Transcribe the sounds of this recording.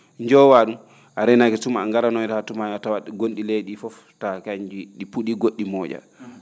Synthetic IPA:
ɲd͡ʒɔwaɗum | ʔaɾɛnakɛsumaŋɡaɾanɔɾhatumajatawaɗɛɡonɗileɗifɔf | takaɲd͡ʒiɗipuɗiɡoɗːimɔːd͡ʒa̰

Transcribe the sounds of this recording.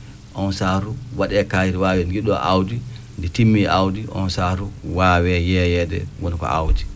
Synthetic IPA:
ʔɔnsaɾuwaɗɛkajiɾwawɛɡiɗɔ̰ʔawdi | ndɛtimːiʔawdiʔɔ̰nsaɾuwaːwɛjɛjɛdɛ̰wɔnkɔ̰a̰wdi

